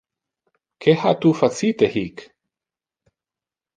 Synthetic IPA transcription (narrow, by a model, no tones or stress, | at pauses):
kʰehat̪ufat͡sit̪ehik